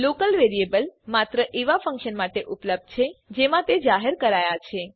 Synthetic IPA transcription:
lokəlʋeɾiebəlmat̪ɾəʔeʋafʰə̃ŋkʃənmaʈeʔʊpləb̚d̪̚t͡ʃʰed͡ʒemãt̪ed͡ʒaɦeɾkəɾajat͡ʃʰe

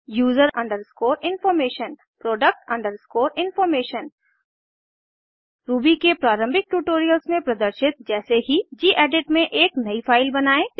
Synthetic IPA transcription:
juːzəɾʔɐ̃ɳɖəɾskoːɾɪ̃nfɔːɾmeːʃən | pɾoːɖək̚ʈɐ̃ɳɖəɾskoːɾɪnfɔːɾmeːʃən | ɾuːbikepɾaːɾə̃mbʱɪk̚ʈuːʈoːɾijəlsmẽpɾɐd̪əɾʃɪt̪̚d͡ʒɛːseɦid͡ʒiːʔɛːɖɪʈmẽʔeːknɐifʰaːɪlbɐnaːẽː

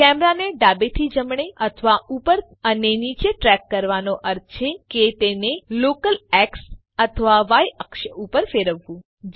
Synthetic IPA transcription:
kɛmɾaneɖabet̪ʰid͡ʒəmɳ̃eʔət̪ʰəʋaupəɾ | ənenit͡ʃeʈɾɛkːəɾʋanoʔəɾt̪̚ʰt͡ʃʰeket̪enelokəlɛks | ət̪ʰəʋaʋajəkʃəupəɾfeɾəʋːũ | d͡ʒ

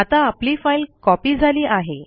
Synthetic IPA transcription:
at̪ãːpliːfailkɔpiːd͡zʱaliːʔaɦe

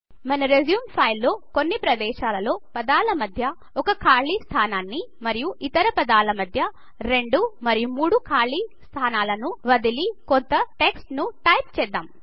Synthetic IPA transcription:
mɐnɐɾezjuːmpʰɐjlːo̞ːko̞nːipɾɐd̪ɛːʃaːlɐlo̞ːpɐd̪aːlɐmɐd̪ʱjɐ | ɔkɐkʰaːɭist̪ʰaːnaːnːimɐɾijuʔit̪ɐɾɐpɐd̪aːlɐmɐd̪ʱjɐ | ɾe̞ɳɖumɐɾijumuːɽukʰaːɾɭiːst̪ʰaːnaːlɐnuʋɐd̪ilikont̪ɐʈeksʈnuʈɐjp̚t͡ʃɛːd̪ːaːm

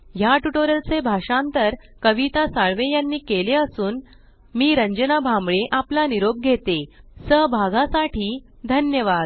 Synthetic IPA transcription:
jaʈuʈoɾəlt͡sebʱaʂãnt̪əɾkəʋit̪asaɭʋejanːiːkeleəsuːn | miːɾəɲd͡ʑənabʱambɭeʔaplaniɾob̚ɡʱet̪esəɦbʱaɡasaʈiː | d̪ʱənjəʋad̪

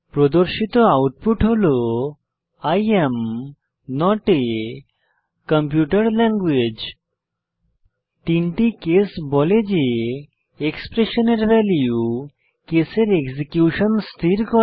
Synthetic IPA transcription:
pɾɔd̪oɾʃit̪ɔawʈ̚puʈɦolo | ajem | nɔʈe | kəmpjuʈəɾlɛŋɡwed͡ʒ | ʈ̪inʈikesbɔled͡ʒe | ekspɾeʃɔneɾʋɛliu | keseɾeɡsikjuʃɔnst̪ʰiɾkɔ

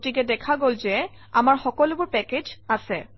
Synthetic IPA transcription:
tikɛdɛkʰaɡolzɛ | a̰maɹxɔkɔlubʊɹpɛked͡ʒasɛ

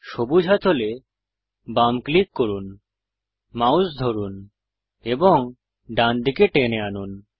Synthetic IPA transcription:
ʃobud͡ʑʱɦat̪ʰole | bamklikːoɾun | mausd̪ʱoɾun | eboŋ | ɖand̪ikeʈeneanun

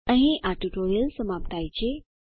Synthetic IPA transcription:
ə̃ɦĩʔaʈuʈoɾjəlsəmap̚t̪ʰajt͡ɕe

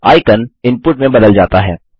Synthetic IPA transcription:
aːɪkənɪ̃mpʊʈmẽbɐd̪əld͡ʒaːt̪aɦɛː

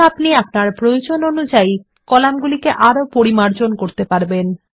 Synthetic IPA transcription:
apniapnaɾpɾojod͡ʑononud͡ʑaj | kɔlamɡulikeʔaɾopoɾimaɾd͡ʑonkoɾt̪epaɾben

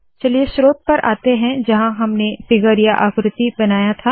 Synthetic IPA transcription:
t͡ʃɐlieʃɾoːt̪̚pɐɾʔa̰ːt̪eɦɛ̃d͡ʒɐɦãɦɐmnefɪɡəɾjaʔaːkɾɪt̪ibɐnaːjat̪ʰaː

